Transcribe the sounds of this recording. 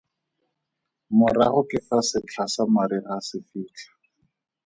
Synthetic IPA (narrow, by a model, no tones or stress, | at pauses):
mʊraχʊkɪfasɪt͡ɬʰasamaɾiɣasɪfiːt͡ɬʰḁ